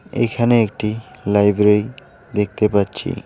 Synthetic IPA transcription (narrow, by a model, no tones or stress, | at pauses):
ḛkʰaneek̚ʈilajbɾej | d̪ek̚ʰt̪epatːɕʰḭ